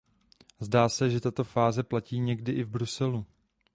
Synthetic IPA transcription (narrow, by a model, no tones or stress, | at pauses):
zdaːsɛʒɛt̪at̪o̞faːzɛplaciːɲɛɡdɪʔɪvbɾusɛlu